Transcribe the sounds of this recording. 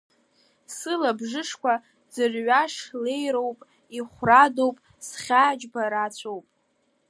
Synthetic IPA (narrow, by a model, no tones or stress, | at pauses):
sɨlabʐɨʂkʷa | d͡zɨrɥaʂle̞jɾowpʼ | iχʷrado̞wpʼ | sχʲaːd͡ʒbaɾat͡ɕʷʰowpʼ